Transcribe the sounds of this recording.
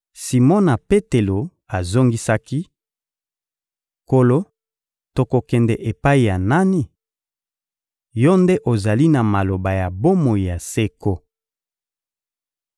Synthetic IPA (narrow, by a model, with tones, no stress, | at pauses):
si˨mɔ˦na˨pe˦te˨lo˨ | a˨zo˦ŋɡi˦sa˦ki˦ | ko˨lo˦ | to˨ko˨kɛ˨ndɛ˨ʔe˨pa˦i˨ja˨na˦ni˦ | jo˦nde˦ʔo˨za˨li˦na˨ma˨lo˨ba˨ja˨bo˦mo˨i˨ja˨se˦ko˦